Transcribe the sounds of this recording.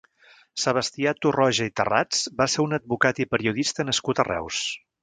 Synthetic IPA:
səβ̞əst̪iat̪urɔʒəit̪əra̰d͡zbaseɾunəd̪̚βukat̪ipəɾiuðist̪ənəskut̪ərɛ̰ws

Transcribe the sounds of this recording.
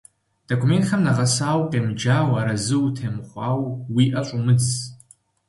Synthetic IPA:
d̥okʰʷume̞ntxamnaʁasaːwqʼemd͡ʒaːwaɾazɨutʰemχʷawwiʔat͡ʃʷʼumɨd͡zz

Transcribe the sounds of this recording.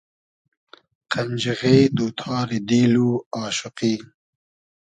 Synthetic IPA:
qand͡ʒiɣeːd̪ut̪ʰɑːɾid̪iːluɑːʃʊqiː

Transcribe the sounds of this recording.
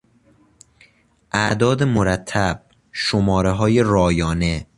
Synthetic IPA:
ʔæʔd̪ɒːd̪emoɾæt̪ʰːæb̥̚ | ʃomɒːɾeɦɒːjeɾɒːjɒːne

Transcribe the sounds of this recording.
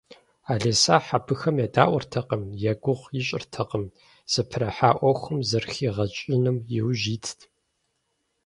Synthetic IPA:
aːɮɐsaːħabɨxɐmjɛda̰ːʔʷɔrtʰɐqəmjɛɡʷʊʁʷjɪɕʼɪ̰rtʰɐqʼəm | z̥ɨpʰrɐħaːʔʷɔxʷʊmzɐrxiːʁɐt͡ʃʼɪnɨmjɪwʒiːtʰ

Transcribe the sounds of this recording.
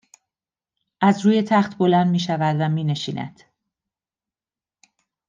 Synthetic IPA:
ʔæzɾuːje̞t̪ʰæχt̪ʰbo̞lænd̪miːʃævæd̪væmiːne̞ʃiːnʔæ̰d̪̥

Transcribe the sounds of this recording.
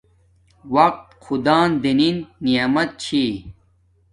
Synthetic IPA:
wɐq̚t̪xʰud̪aːnd̪ininːijamɐt̪̚t͡ɕʰi

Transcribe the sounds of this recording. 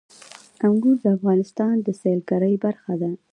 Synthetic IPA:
aŋɡuɾd̪əafɣɑnɪst̪ɑnd̪əselkaɾəjbaɾxad̪a

